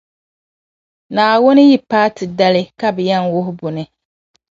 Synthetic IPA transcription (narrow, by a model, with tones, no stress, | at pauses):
naː˨wʊ˦nɨ˦ji˦paː˦tɨ˨da˦lɪ˦ka˦bɨ˨ja˦ŋwʊ˦ɦʊ˦bʊ˨nɨ˨